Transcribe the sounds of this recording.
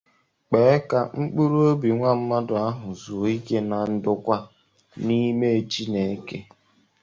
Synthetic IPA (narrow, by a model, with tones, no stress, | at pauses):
k͡pe˨˦e˦ka˨ŋ͡m̩˦k͡pu˦ɾo˦o˦bi˨ŋʷa˦m̩˦ma˦dʊ˨a˦ɦʊ˨zu˨i˦ke˦na˨n̩˦dʊ˦kʷa˦ | ni˦me˦e˨t͡ʃi˦ne˨e˦ke˦